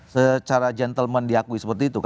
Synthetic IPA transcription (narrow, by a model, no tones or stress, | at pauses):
sət͡ʃaɾad͡ʒɛnt̪əlmɛndiakuisəpərt̪iːt̪uk